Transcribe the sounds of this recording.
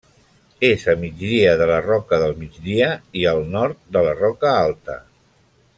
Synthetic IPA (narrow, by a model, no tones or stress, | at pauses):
ezəmid͡ʒðiəðələrɔkəðəlˠmid͡zðiəiəlˠnɔɾt̪̚d̪ələrɔkəalˠt̪ə̰